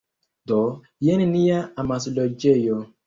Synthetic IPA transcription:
dɔ | jeninijaamasilɔd͡ʒejɔ

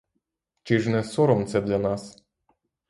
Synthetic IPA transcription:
t͡ʃiʐnɛsoɾɔmt̪sɛd̪lʲanɑs

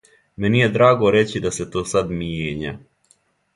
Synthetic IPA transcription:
mɛnijed̪ɾaːɡoɾet͡ɕid̪aset̪oːsad̪mijeːɲa̰

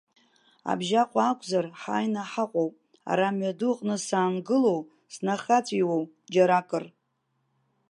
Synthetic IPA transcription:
a̰bʒaqʷʼaːkʷʰʼzarħaːjnaħaqʷʼowpʼ | a̰ɾamɥaduqʼnɨsaːnɡɨlo̞w | snaχat͡sʷʼiwow | d͡ʒaɾakʼɨr

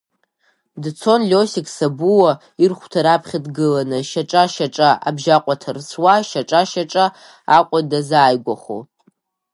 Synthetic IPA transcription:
dt͡sʰo̞nlʲosikʰʼsabuwa | irχʷtʰaɾapʰχʲadɡɨlanɨʃaʈ͡ʂʼaʃaʈ͡ʂʼaʔa̰bʒaqʷʼatʰarswaʃaʈ͡ʂʼaʃaʈ͡ʂʼa | aqʷʼadazaːjɡʷaχo̰

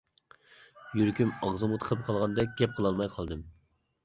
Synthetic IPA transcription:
jyɾkʲymɑʁzɨmut̪ʰə̥qʰəp̚qʰɑlˠʁɑnd̪ɛk̚ʲɡʲɛp̚qʰəlˠɑlˠmɑjqʰɑlˠd̪ɨm

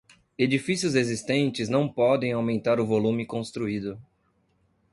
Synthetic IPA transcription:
ed͡ʒifisjʊzezist̪ẽnt͡ʃɪznɐ̃w̃pɔd̪ẽj̃awmẽnt̪aɾʊvolũmɪkõst̪ɾuid̪ʊ

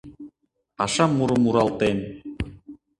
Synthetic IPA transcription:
ɑʃɑmːuɾɤmuɾɑlˠt̪en

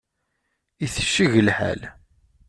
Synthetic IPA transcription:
iθə̥ʃːiʝəlħa̰l

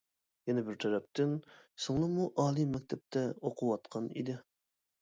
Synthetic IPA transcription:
jɛnɛbɪɾt̪ʰɛɾɛp̚t̪ɪnsoŋlˠɑmuʔɑːlˠimɛk̚ʲt̪ʰɛp̚t̪ʰɛoqʰuwɑt̪qʰɑnḭd̪ɪ

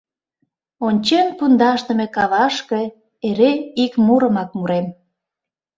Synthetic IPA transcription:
onʲt͡ɕenpund̪ɑʃt̪ə̆mekɑβɑʃke̽ | eɾeikmuɾə̆mɑk̚muɾem

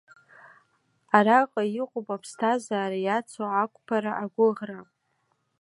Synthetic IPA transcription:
aɾaqʼajiqʼopʼapʰstʰazaːɾajat͡sʰoakʷʼpʰaɾaʔaɡʷʊʁra

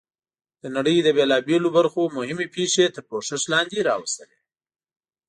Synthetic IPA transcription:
d̪̥ənaɽəjd̪əbelɑbelobaɾxomʊhɪmepeʂet̪əɾpoʂɪʃlɑnd̪eɾɑwast̪əle

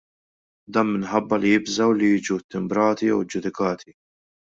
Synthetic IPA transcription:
d̪ɐːnmɪnħɐbːɐlijɪbzɐwlijiːd͡ʒut̪ːɪmbɾɐːt̪ijɛ̰wd͡ʒːʊd̪ɪkɐːt̪ʰi

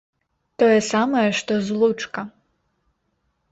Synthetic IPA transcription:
t̪ɔjɛsamɐjɛʂt̪ɔzlˠut͡ʂkɐ

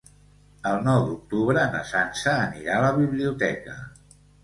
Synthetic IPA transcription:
əlˠnɔwd̪uk̚t̪uβ̞ɾəːnə̰sansəːniɾaləβiβliut̪ɛkə

